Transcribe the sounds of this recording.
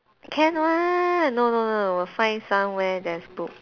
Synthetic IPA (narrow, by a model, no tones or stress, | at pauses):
kʰɛ̃nwanononowifãɪ̃nsãmwɛdɛsbuk̚